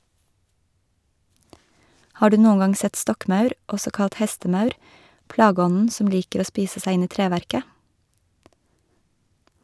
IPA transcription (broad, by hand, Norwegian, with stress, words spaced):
ˈhɑː ˈɽʉː ˈnuːə ˈŋɑŋ ˈsɛt ˈstɔkˌmɑʉɾ ˈɔsɔ ˈkɑt ˈhɛstəˌmɑʉɾ ˈplɑːˌɡɔnn̩ ˈsɔm ˈliːkəɾ ˈoː ˈspiːsə ˈsæ ˈɪn ˈiː ˈtɾeːʋæɾkə